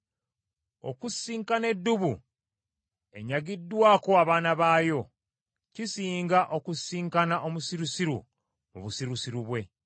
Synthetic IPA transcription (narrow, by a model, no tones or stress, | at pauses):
o̞̰kusːiːŋkane̞dːuβu | e̞̰ɲaɡidːwaːko̞aβaːnaβaːjo̞ | cisiːŋɡaʔo̞kusiːŋkanaʔo̞musiɾusiɾṵ | mṵβusiɾusiɾuβwe̞